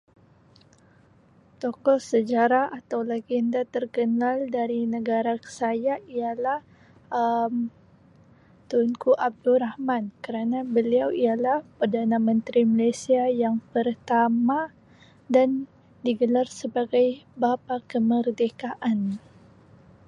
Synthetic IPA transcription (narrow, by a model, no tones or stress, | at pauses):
t̪ɔkɔsəd͡ʒaɾaat̪awlaɡindat̪ərkənaldaɾinəɡaɾakə̥sajaialah | əm | t̪unkuʔab̚durahmankəɾanabəliawialahpərdanamə̃nt̪ɾimalajsiajaŋpərt̪ama | dan | diɡəlarsəbaɡajbapakəmərdekaʔan